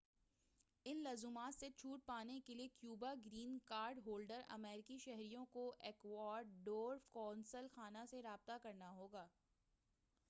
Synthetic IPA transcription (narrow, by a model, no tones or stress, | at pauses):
ɪnlɐːzumaːt̪set͡ʃʰuːʈ̚paːnekeliekjuːbaɡɾiːnkaːɾɖɦoːlɖəɾɐ̰mɛːɾɪkiʃɛɦɾijõkoʔɛːkwɔːɾɖɖoːɾfkɔːnsəlxaːnaseɾaːb̚t̪akɐɾnaɦoːɡaː